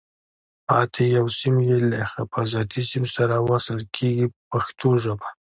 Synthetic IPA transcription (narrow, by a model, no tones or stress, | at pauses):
pɑt̪ʰejawsimjelaxapazɑt̪ʰisimsaɾawasəlkʰeɡipaxt̪ʰoʒəba